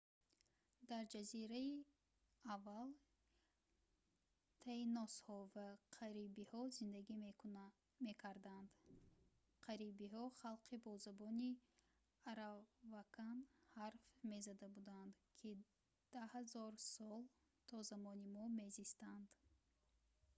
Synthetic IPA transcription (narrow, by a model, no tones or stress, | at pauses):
d̪aɾd͡ʒaziɾai | avːal | t̪ʰainɔshɔvaqʰaɾibihɔzind̪aɡi | me̞kʰaɾd̪and̪ | qʰaɾibihɔχalqʰibɔzabɔni | aɾavakʰanhaɾfme̞zad̪abud̪and̪ | kʰi | d̪̥ahazɔɾsɔl | t̪ʰɔzamɔnimɔme̞zist̪and̪̥